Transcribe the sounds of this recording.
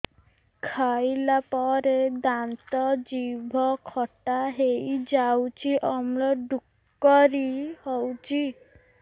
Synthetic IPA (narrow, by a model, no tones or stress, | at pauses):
kʰajlapɔɾed̪ant̪ɔd͡ʒibʱɔkʰɔʈaɦejd͡ʒawt͡ʃʰiʔɔmɽɔɖukː | ɔɾihɔwt͡ʃʰi